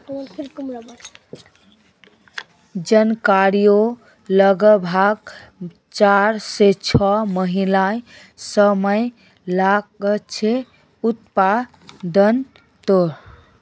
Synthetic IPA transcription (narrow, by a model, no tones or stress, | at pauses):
d͡ʒənkaɾijo | ləɡəbʱaɡ̚ | t͡ʃaɾset͡ʃʰɔməɦilã | səməj | lakət͡ʃʰe | ut̪pa | d̪ən | t̪oɾ